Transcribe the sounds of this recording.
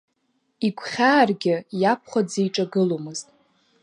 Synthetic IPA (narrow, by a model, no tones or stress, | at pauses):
iɡʷʰχʲaːrɡʲɪjap̚ʰχʷad͡zejʈ͡ʂʼaɡɨlomɨztʼ